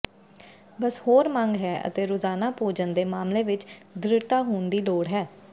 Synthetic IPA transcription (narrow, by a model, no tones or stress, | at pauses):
bəshoːɾmə̃ŋɡɦɛːʔə̰t̪eːɾoːzaːnaːpoːd͡ʒənd̪eːmaːmleːʋɪt͡ʃd̪ɾɪɽt̪aːɦoːnd̪iːloːɽɦɛː